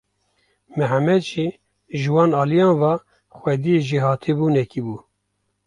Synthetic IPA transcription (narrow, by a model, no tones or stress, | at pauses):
mɨɦamɛd̪t͡ʃi | ʒɨwɑːnɑːlijɑːnvɑ | xʷwɛd̪ijeʒiɦɑːt̪ʰebuːnɛkibuː